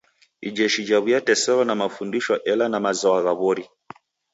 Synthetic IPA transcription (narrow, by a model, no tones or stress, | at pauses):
id͡ʒɛʃid͡ʒaβujatɛsɛɾɔnamafundiʃwɔʔɛlanamazɔaɣaβɔɾi